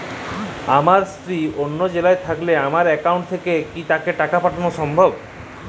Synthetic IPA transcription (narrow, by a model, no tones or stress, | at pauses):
amaɾst̪ɾionːod͡ʑelaet̪ʰakleamaɾɛkauwɳʈ̚t̪ʰekekit̪akeʈakapaʈʰanoʃɔmbʱob